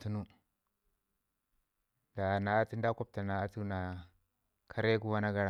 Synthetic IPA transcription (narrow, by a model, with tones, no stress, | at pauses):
tu˦nu˦ | da˨na˨˦ti˦nda˦ko˦b̚ta˨na˨˦tu˦na˨ | kʰa˦ɾe˦ku˦wa˦na˦ɡa˦ɾa˨